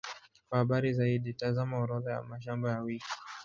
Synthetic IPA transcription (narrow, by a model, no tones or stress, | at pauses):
kwahaɓaɾizaiɗitazamauɾɔðaja̰maʃambajawiki̥